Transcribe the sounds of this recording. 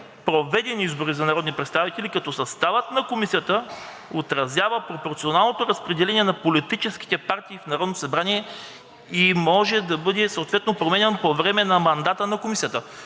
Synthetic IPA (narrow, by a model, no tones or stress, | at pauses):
pɾovɛd̪ɛnʲiizboɾizɐnɐɾɔd̪nipɾɛt̪st̪avit̪ɛlikɐt̪ɔsɐst̪avət̪nɐkomisijət̪ə | ot̪ɾɐzʲjavəpɾopoɾt̪sionalˠnot̪oɾɐspɾɛd̪ɛlɛnʲiɛnɐpolit̪it͡ʃɛsk̟i̥t̪ɛpaɾt̪iːfnɐɾɔd̪nt̪osɐbɾaniɛ | imɔʒɛd̪ɐbɤd̪ɛsɐot̪vɛt̪nopɾomɛnɛnpovɾɛmɛnɐmɐnd̪at̪ənɐkomisijət̪ə